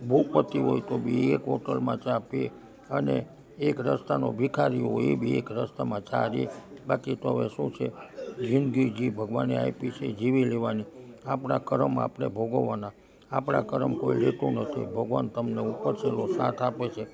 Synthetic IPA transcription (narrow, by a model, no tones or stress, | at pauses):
bʱukpət̪iɦojt̪obʱiekɦɔʈəlmãt͡ʃape | ənḛ | ekɾəst̪anobikʰaɾiɦojebʱiekɾəst̪amãt͡ʃaɾibakit̪oɦəʋeʃũt͡ʃʰed͡ʒʱinɡid͡ʒibʱəɡʋanea̰ipit͡ʃʰed͡ʒiʋileʋani | apɳakəɾəma̰pɳḛbʱoɡoʋana | apɳa̰kəɾəmkoiɾet̪ũnət̪ʰḭbʱəɡʋant̪əmneupːəɾt͡ʃʰelosat̪ʰapet͡ʃʰe